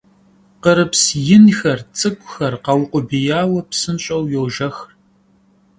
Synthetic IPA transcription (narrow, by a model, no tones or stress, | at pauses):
qəɾɨpsjɪnxɐrt͡sʼɨkʷʼʊxɐrqɐwʊqʷʊbijaːwɐpsɨnɕʼɐwjowʒɐxr